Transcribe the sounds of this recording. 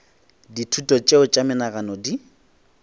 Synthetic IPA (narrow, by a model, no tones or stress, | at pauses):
ditʰutʼɔt͡ʃʼeʊt͡ʃʼamɪnaɣanɔdi